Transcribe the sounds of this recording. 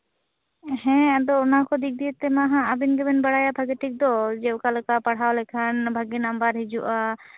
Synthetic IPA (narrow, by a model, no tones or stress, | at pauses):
hɛ̃d̪ɔunakɔd̪ik̚d̪iɛt̪ɛmaɦãːbinɡɛbɛnbaɽajabʱaɡɛʈik̚d̪ɔd͡ʒɛkalɛkapaɽ̤ɦawlɛkʰanbʱaɡinambaɾɦid͡ʒuʔa